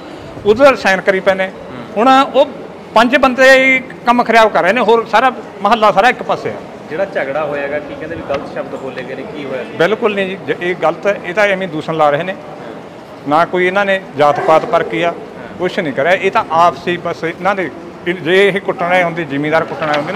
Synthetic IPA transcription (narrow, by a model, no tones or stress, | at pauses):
ʊd̪əɾsaːnkəɾiːpɛ̃ːneː | hʊɽ̃oː | pə̃ɲd͡ʒbənd̪eː | kəmkʰəɾɪjaːbkəɾːəɦeːnẽːɦoːɾsaːɾaː | məɦəlːaːsaːɾaːɪkpəseːa̰ː | d͡ʒeːɽaːt͡ʃəɡɽaːɦoːjaːɡaːkiːkɛ̃ːnd̪eːbiːɡəlt̪ʃəbd̪boːleːɡeːneːkiːɦoːjaːbɪlkʊlnĩːd͡ʒːd͡ʒeːɡələt̪eːt̪ãːemẽːd̪uːsənlaːɾəɦeːneː | naːkoːiːɪnãːneːd͡ʒaːt̪paːt̪pəɾkiːaː | kʊʃnĩːkəɾaːʔeːt̪ãːʔaːpʰsiːbəsɪnãːd̪eː | d͡ʒeːɦeːkʊʈːnaːeːɦõnd̪eːd͡ʒiːmeːd̪aːɾkʊʈnaːeɦond̪eːnː